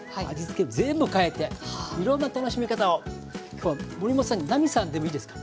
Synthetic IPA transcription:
a̰d͡ʑit͡sɨ̥keɯzẽ̞mbɯ̟kae̞t̪ːe̞iɾõ̞nːat̪ano̞ɕimʲikat̪ao̞ | kʲʰo̞ːβamo̞ɾʲimosãɲːinamʲisãnd̪e̞mo̞iːd̪esɨ̥kḁ

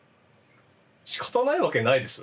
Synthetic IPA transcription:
ɕi̥kḁt̪anaiβake̞naid̪e̞sɨ

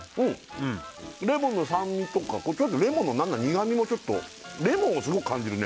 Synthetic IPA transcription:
ɯ̃ːɯ̟̃ɾe̞mõ̞nːosãmːʲit̪o̞ka̰kot͡ɕot̪̬ːoɾe̞monːonãnːaɲ̟iɡamʲimo̞t͡ɕo̞t̪ːo̞̰ | ɾe̞mõɰ̃osɨɡo̞kɯ̟̥kʰãɲ̟d͡ʑiɾɯ̟ne

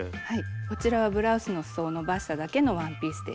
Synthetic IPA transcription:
haiko̞t͡ɕiɾaβabɯ̟ɾaɯ̟sɨno̞sɨ̥so̞ːno̞baɕi̥t̪ad̪ake̞no̞βãmpʲiːsɨd̪e

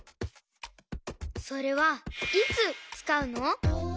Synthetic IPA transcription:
so̞ɾe̞βait͡sɨt͡sɨ̥kaɯ̟no̞

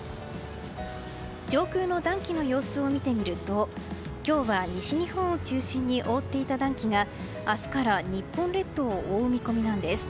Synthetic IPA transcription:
d͡ʑo̞ːkɯːno̞d̪ãŋkʲino̞jo̞ːsɨo̞mʲit̪e̞mʲiɾɯ̟t̪o̞ | kʲo̞ːβaɲ̟iɕiɲihõ̞ɰ̃ot͡ɕɨːɕĩɲ̟ːiʔo̞ːt̪ːe̞it̪ad̪ãŋkʲiɡa | asɨ̥kaɾaɲ̟ipːõ̞nɾe̞t̪ːo̞ːʔoɯmʲiko̞mʲinãnd̪e̞sɨ̥

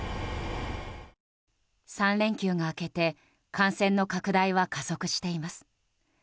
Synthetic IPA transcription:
sãnɾẽ̞ŋkʲɨːɡaːke̞t̪e̞ | kãɰ̃sẽ̞nːo̞kakɯ̟d̪aiβakaso̞kɯ̟ɕi̥t̪e̞imasɨ̥

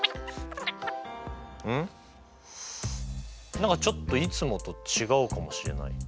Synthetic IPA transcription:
ɯ̃ | nãŋkat͡ɕo̞t̪ːo̞it͡sɨmo̞t̪o̞t͡ɕiɡaɯ̟kamo̞ɕiɾe̞̰na̰ḭ

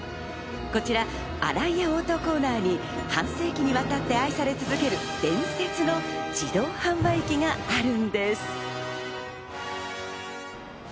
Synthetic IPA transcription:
ko̞t͡ɕiɾa | a̰ɾaijaoːt̪o̞ko̞ːnaːɲ̟i | hãɰ̃se̞ːkʲiɲ̟iβat̪at̪ːe̞aisaɾe̞t͡sɨzɨke̞ɾɯ̟ | d̪̥ẽ̞ɰ̃set͡sɨno̞d͡ʑid̪o̞ːhãmbaikʲiŋaːɾɯ̟̃nd̪e̞sɨ̥

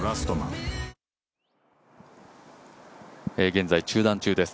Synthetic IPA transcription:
ɾasɨ̥t̪onã̰ | eɡẽ̞nd͡zait͡ɕɨːd̪ãɲt͡ɕɨːd̪e̞sɨ̥

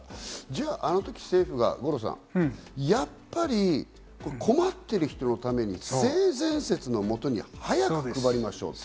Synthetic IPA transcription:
d͡ʑaːʔano̞t̪o̞kʲi̥se̞ːɸɯ̟ɡa̰ɡo̞ɾo̞s̬ã̰ŋjapːaɾʲi | kokʰo̞mat̪ːe̞ɾɯ̟çi̥t̪o̞no̞t̪ame̞ɲ̟ḭseːzẽ̞ɰ̃se̞t͡sɨno̞mo̞t̪o̞ɲ̟ḭhajakɯ̟̥kɯbaɾʲimaɕo̞̰ːt̪

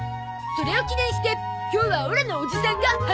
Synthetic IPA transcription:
so̞ɾe̞o̞kʲinẽɰ̃ɕi̥t̪e̞ | kʲoːβaoɾenoːd͡ʑisãŋɡah

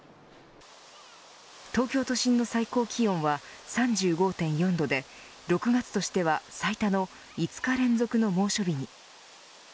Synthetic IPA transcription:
t̪o̞ːkʲo̞ːt̪o̞ɕĩnːo̞saiko̞ːkʲʰiõ̞ɰ̃βasãɲd͡ʑɨːɡo̞ːt̪ẽ̞ɰ̃jõ̞nd̪o̞d̪e̞ | ɾo̞kɯ̟ɡat͡sɨ̥t̪o̞ɕi̥t̪e̞βasait̪ano̞ | it͡sɨ̥kaɾẽ̞nd͡zo̞kɯ̟no̞mo̞ːɕo̞bʲiɲ̟i

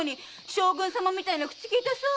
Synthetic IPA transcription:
ɲ̟i | ɕoːɡɯ̃ɰ̃samamʲit̪ainakɯ̥t͡ɕi̥kʲiːt̪esɨ

